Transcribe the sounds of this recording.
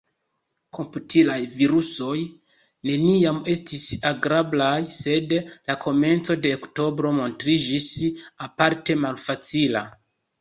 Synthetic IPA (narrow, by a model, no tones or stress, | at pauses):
kʰo̞mputʰilajviɾuso̞j | ne̞niame̞stisaɡɾablajse̞dlakʰo̞me̞nt͡so̞de̞okto̞bɾo̞mo̞ntɾid͡ʒisapaɾte̞malfat͡sila̰